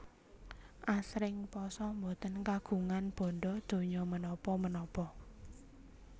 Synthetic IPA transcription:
ʔasɾɪŋpɔsɔmbot̪ənkaɡ̥ṳŋanb̥ɔ̤nɖɔd̪̥o̤ɲɔmənɔpɔmənɔpɔ

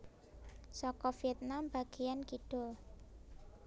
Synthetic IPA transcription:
sɔkɔfiɛt̪̚namba̤ɡ̥ejankiɖ̥ʊ̤l

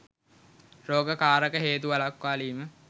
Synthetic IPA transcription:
ɾoːɡəkaːɾəkəɦeːt̪̬ualakʋaːliːmə

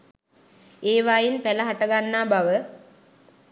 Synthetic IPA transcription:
eːʋajinpæləɦaʈəɡanːaːbaʋə

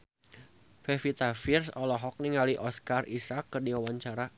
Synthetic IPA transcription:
fefit̪afirsɔlɔɦɔk̚niŋaliʔɔskarisakːərndiwawaɲt͡ʃaɾa

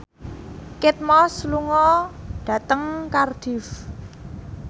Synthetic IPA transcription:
kɪt̪̚mɔsluŋɔɖ̥a̤t̪əŋkard̪̥i̤f

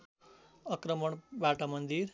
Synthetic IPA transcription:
ʌkɾəmʌɳbaʈamʌnd̪iɾ

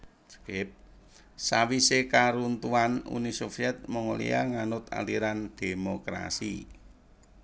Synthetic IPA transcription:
kɪp̚ | sawisekaɾunt̪uanṵnisofiɛt̪̚məŋulḭa̰ŋanʊt̪a̰liɾand̪̥e̤mokɾa̰si

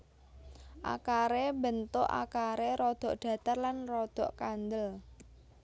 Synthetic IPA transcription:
ʔa̰kaɾebənt̪ʊʔa̰kaɾeɾɔd̪̥ɔ̤ʔɖ̥ä̤t̪arlanrɔd̪̥ɔ̤ʔkand̪əl

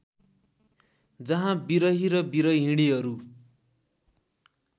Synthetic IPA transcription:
d͡zʌɦãbiɾʌɦiɾʌbiɾʌjɦĩɽ̃iɦʌɾu

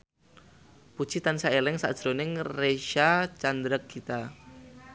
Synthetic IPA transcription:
pu̥t͡ʃit̪ansaelɛŋsa̰d̥ʒ̥ɾonɪŋreʃat͡ʃand̪ɾəkʰːit̪a

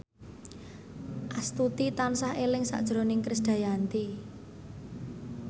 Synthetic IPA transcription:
ʔast̪ut̪it̪ansahelɪŋsa̰ʔd̥ʒ̥ɾo̤nɪŋkɾɪsd̪̥a̤jant̪i

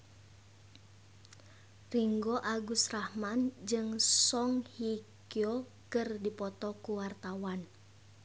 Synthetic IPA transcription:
riŋɡoʔaɡusrahmand͡ʒɨŋsɔŋhikio | kɨrdipɔt̪ɔkuwart̪awan

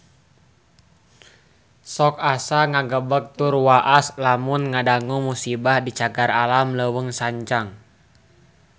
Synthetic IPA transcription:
sɔkasaŋaɡəbək̚t̪urwaʔaslamunŋadaŋumusibahdit͡ʃaɡaralamləwəŋsaɲt͡ʃaŋ

